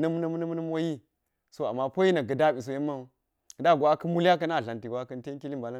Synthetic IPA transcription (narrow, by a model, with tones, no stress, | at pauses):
na˦m˦na˦m˦na˦m˦nə˦m˦wo˦ji˦ | so˦a̰˨mːa˦po˦ji˦na˨ɡə˨da˦˨ɓi˨s̬o˨je˦mːa˦˨˦ | kə˨da˦˨ɡʷa˦kə˦mu˦la˦k̬ɐ˦na˦˨ɬa˨nti˨ɡʷa˦kə˦nte˦ŋ˦ki˦li˦mba˨la˦